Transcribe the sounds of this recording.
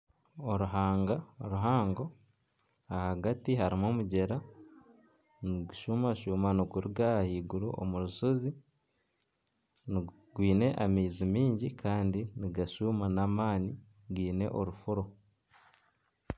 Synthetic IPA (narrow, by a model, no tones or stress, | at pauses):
oɾuɦaːŋɡaoɾuɦaːŋɡo̞ | ahaɡatiɦaɾimoːmuɟe̞ɾa | niɡuʃumaʃuːmanoɡuɾiɡahahiːɡuɾṵʔo̰muɾuʃozi | nɡwiːne̞ʔamiːzimiːɲɟikʰaːndiniɡaʃumanamaːni | ɡwiːne̞̰ʔoɾufuɾo̞